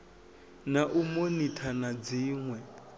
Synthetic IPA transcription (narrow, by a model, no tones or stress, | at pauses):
naʔumonitʰanad͡ziːŋwɛ